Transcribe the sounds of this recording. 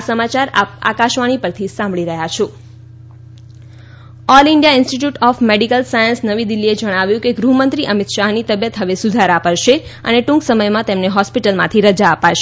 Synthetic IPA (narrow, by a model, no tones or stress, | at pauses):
səmat͡ʃaɾa̰p̚a̰kaʃʋaɽ̃ipəɾt̪ʰisãmbɭiɾəɦjat͡ʃʰo | ɔlɪɳɖijaɪ̃nsʈiʈjuʈɔfmeɖikəlsajənsnəʋid̪ilːied͡ʒəɽ̃aʋjũkeɡɾuɦmənt̪ɾiʔəmit̪ʃaɦnit̪əbjət̪ɦəʋesud̪ʱaɾapəɾʃeə̰neʈũŋksəməjmãt̪emneɦɔspiʈəlmãt̪ʰiɾəd͡ʒaəpaʃe